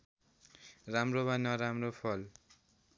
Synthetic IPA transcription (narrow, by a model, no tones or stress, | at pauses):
ramrobanʌɾamropʰʌl